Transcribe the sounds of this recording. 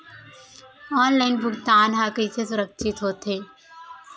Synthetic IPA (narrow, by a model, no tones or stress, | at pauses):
ɔːnlaːɪnbʱʊɡt̪aːnɦaːkəisesʊɾəkʃɪt̪ɦoːt̪eː